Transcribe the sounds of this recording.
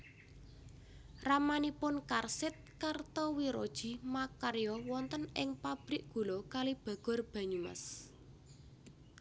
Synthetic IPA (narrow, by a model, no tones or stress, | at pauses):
ramanipʊnkarsɪt̪̚kart̪ɔwiɾɔd̥ʒ̥i̤makaɾjɔwɔnt̪ənɪŋpab̥ɾɪʔ̚ɡ̥o̤lɔkalib̥a̤ɡ̥ɔ̤rb̥ä̤ɲuma̰s